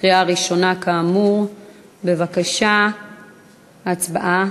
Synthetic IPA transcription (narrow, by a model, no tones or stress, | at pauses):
ʁiaʁiʃo̞nakaːmuʁ | be̞vakaʃa | at͡sbaʔa